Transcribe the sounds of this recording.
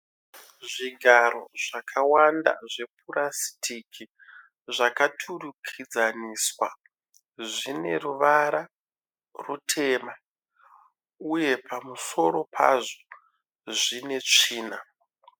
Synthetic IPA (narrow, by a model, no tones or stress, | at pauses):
ʐiɡʱaɾo̞̰ʐakʰawanda̰ʐe̞pʰurasi̥tʰikʰi | ʐakatʰurukʰid͡zaniswa | ʐine̞̰ruʋaɾa | rutʰe̞ːma | uje̞pʰamuso̞ɾo̞pʰa̰ʐo | ʐine̞t͡ʂiːna